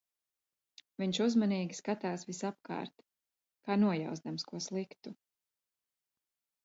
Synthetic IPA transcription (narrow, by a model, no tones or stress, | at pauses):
viɲʃuzmaniːɡʲiskat̪aːsvisap̚ka̰ːɾt̪ | kaːnuɔja̰wzd̪amskuɔslˠikt̪u